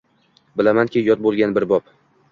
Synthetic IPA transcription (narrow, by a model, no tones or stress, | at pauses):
bɪlamankʲʰɪjɒt̪̚bolˠɡʲanbɪɾbɒp